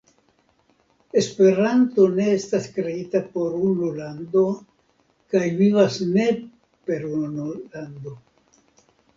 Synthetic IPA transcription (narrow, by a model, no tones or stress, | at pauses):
e̞spe̞ɾanto̞ne̞estaskɾe̞itapo̞ɾunolando̞ | kajvivasne̞ | pe̞ɾunoland̪o̞